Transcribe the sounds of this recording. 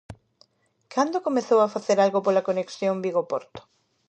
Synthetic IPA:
kʰand̪okomeθowafaθeɾalɣopolakoneksjombiɣopɔɾt̪o̥

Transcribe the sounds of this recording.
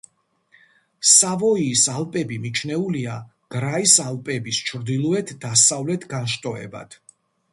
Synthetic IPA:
savɔiːsalˠpʼɛbimit͡ʃʰnɛulia | ɡ̥ɾaisalˠpʼɛbist͡ʃʰɾd̪ilˠɔɛt̪ʰd̪asavlɛt̪ʰɡanʃt̪ʼɔɛ̰ba̰d̪̥ʰ

